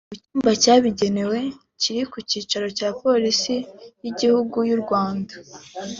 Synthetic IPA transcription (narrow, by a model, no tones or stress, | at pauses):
ucuːmbacaːβiɟe̞ne̞we̞ | ciɾikuciːt͡ʃaɾo̞caːpo̞ɾisijiɟihuɡujuɾɡwaːnda